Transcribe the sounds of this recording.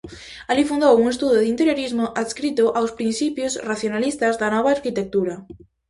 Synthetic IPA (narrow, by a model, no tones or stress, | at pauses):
alifund̪owuŋest̪uðʊðint̪eɾjoɾizmʊʔaðskɾit̪ʊʔawspɾin̟θipjʊsraθjonalist̪azðanɔβ̞aːɾkit̪ek̚t̪uɾa